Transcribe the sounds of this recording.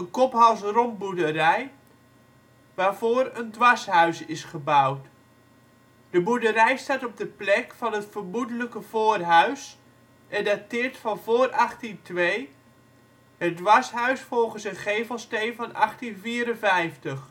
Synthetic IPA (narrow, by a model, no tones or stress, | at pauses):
ənkɔpɦɑlˠsrɔmbudərɛj | ʋaːrvoːɾəndʋɑsɦœɥsɪsχəbawt | d̥əbudərɛjstaːtɔb̚dəplɛkfɑnɦətfərmudələkəv̥oːrɦœɥs | ʔɛdatɪːrtfɑnvoːrʔɑχtintʋeː | hədʋasɦœɥsfɔlˠχənsənχeːvəlˠsteːnvɑnɑχtinviːɾənvɛjftəχ